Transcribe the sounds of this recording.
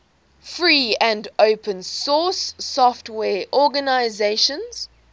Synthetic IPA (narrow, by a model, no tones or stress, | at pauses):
fɹiːə̃ndoʊpʰə̃nsɔˑsːɔftwɛːʔɔɡənaɪzeɪʃə̃nz̥